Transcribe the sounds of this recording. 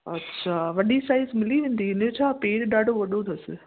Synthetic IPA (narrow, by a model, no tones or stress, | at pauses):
ɐ̰tːɕʰaʋɐɗisaːɪzmɪliʋẽːn̆d̪iɪnẽt͡ɕʰaːpeːɽɗaːɖʱoʋɐɗod̪ʰɐsɪ